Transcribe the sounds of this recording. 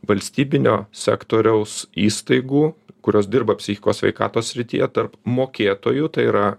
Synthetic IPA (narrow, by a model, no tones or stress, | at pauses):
ʋɐlʲsʲt̪ʲiːbʲɪnʲo̰ːsʲæ̰ːkt̪oːɾʲɛʊsiːst̪ɐɪɡuːkʊɾʲoːsd̪ʲɪrbɐpʲsʲɪxʲɪkoːsʲʋʲɛ̰ɪkɑ̰ːt̪oːsʲsʲɾʲɪt̪ʲḭjɛt̪ɐrpmoːkʲeːt̪oːjuːt̪ɐɪiɾɐ